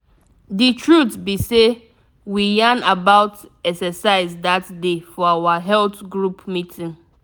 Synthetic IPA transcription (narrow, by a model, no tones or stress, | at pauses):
ditʰɹutbise | wijãnabaʊtɛksɛsaɪzdatdefɔawaɦɛltɡɹupmitʰĩn